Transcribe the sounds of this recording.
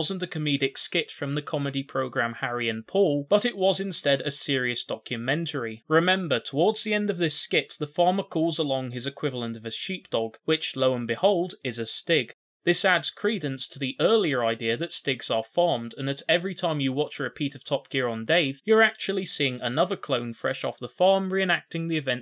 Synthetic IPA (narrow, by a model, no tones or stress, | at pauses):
ʌz̃n̩tɨkʰɨmiɾɨkskɪtfɹʌ̃mðɨkʰɑmɨɾipʰɹ̥oʊɡɹæ̃mhæɹiɨ̃npʰɔlˠb̥ʌɾɨʔ̚wʌzɨ̃nstɛɾɨsɪɹiɨsd̥ɑkʰjɨmɛ̃ntʰə˞iɹɨmɛ̃mbə˞tʰəwɔɹdz̥ðiɛ̃ndʌvðɪskɪt̪̚ðəfɑɹmə˞kʰɔlˠzəlɔ̃ŋɨzɨkʰw̥ɪvl̩ˠə̃ntʌvɨʃip̚d̥ɔɡ̥wɪt͡ʃloʊə̃nbɨhoʊlˠdɨzɨstɪɡ̥ | ðɪsædz̥kʰɹ̥idⁿn̩stʰəðiʔɜ˞lˠiə˞aɪdiɨðɨtstɪɡz̥ə˞fɑɹmdɨ̃nðɨɾɛvɹitʰãɪ̃mjɨwɑt͡ʃə˞ɨpʰiɾʌv̥tʰɑp̚ɡ̥ɪɹə̃ndeɪv̥jə˞æk̚t͡ʃul̩ˠisiɪ̃ŋənʌðə˞kʰl̥õʊ̃nfɹɛʃɔ̰fðəfɑɹmɹiɨ̃næk̚tɪ̃ŋðiɨvɛ̃nt